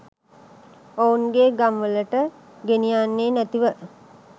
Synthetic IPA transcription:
ounɡeɡamʋələʈə | ɡenijaːnːeːnæt̪iʋə

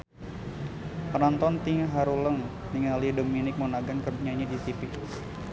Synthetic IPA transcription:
pɾant̪ɔnt̪iŋɦaɾuləŋ | niŋalidominɪk̚monaɡankərduɲaɲadisipik

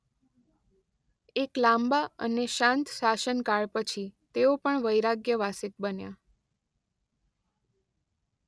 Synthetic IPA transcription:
eklambaə̰neʃãnt̪saʃənkaɭpət͡ʃʰit̪eopəɳʋəjɾaɡjəʋasit̪̚bənja̰

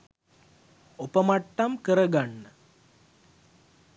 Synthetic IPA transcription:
opɐmɐʈːɐmkəɾɐɡaɳːə

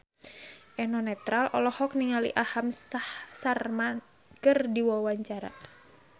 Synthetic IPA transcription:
ʔɛnɔnɛt̪ɾalʔɔlɔhɔk̚niŋalḭʔahamsahsarman | kɨrdiwɔwaɲt͡ʃaɾa̰

